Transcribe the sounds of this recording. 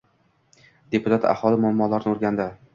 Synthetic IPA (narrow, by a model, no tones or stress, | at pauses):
d̪e̞pʰʊt̪ʰat̪ʰa̰hɒlˠɪmʊamːɒlaɾɪnɪoɾɡʲand̪ɪ